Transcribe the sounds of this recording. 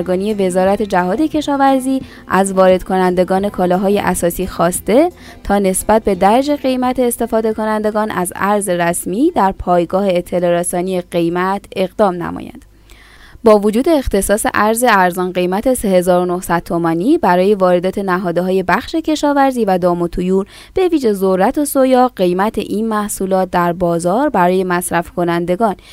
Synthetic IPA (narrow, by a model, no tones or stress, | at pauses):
ɾɡɒːnijeve̞zɒːɾæt̪ʰe̞d͡ʒæɦɒːd̪e̞cʰe̞ʃɒːvæɾziː | ʔæzvɒːɾe̞d̪̥kʰo̞nænd̪e̞ɡɒːne̞kʰɒːlɒːɦɒːjḛʔæ̰sɒːsiːxɒːst̪e̞ | t̪ʰɒːne̞sbæt̪̚be̞d̪æɾd͡ʒe̞ɣe̞jmæt̪ʰeːst̪e̞fɒːd̪e̞ko̞nænd̪e̞ɡɒːnʔæ̰zæ̰ɾze̞ɾæsmiːd̪æɾpʰɒːjɡɒːheːt̪ʰːe̞lɒːɾesɒːnieɢe̞jmæt̪ʰe̞ɣd̪ɒːmnæ̰mɒ̰jæ̰nd̪̥ | bɒːvod͡ʒuːd̪e̞ːxt̪ʰe̞sɒːsḛʔæɾze̞æɾzɒːnɢe̞jmæt̪ʰe̞se̞he̞zɒːɾo̞nohsæd̪̥̚t̪ʰo̞mɒniːbæɾɒːje̞vɒːɾe̞d̪ɒːt̪ʰe̞næɦɒːd̪eɦɒːje̞bæxʃecʰe̞ʃɒːvæɾziːvæd̪ɒːmot̪ʰujuːɾ | b̥e̞viːʒe̞zorːæt̪ʰo̞sojɒːɢe̞jmæt̪ʰe̞̰ʔinmæhsulɒːt̪̚d̪æɾbɒːzɒːɾbæɾɒːje̞mæsɾæfkʰo̞nænd̪e̞ɡɒːn